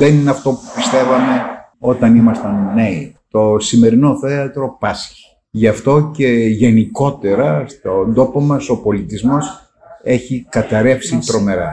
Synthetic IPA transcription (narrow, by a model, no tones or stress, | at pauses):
ðenineɐft̪o̞pu̥pist̪e̞vɐme̞ | o̞t̪ɐnimɐst̪ɐnːeit̪o̞sime̞ɾino̞θe̞ɐt̪ɾo̞pɐsçi̥ | ʝɐft̪o̞ce̞ʝe̞niko̞t̪e̞ɾɐst̪ond̪o̞pomɐso̞po̞lit̪izmo̞s | e̞çikɐt̪ɐɾe̞fsit̪ɾo̞me̞ɾɐ̰